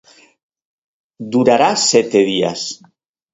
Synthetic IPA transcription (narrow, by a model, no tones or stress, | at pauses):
d̪uɾaɾasɛt̪eð̞ia̰s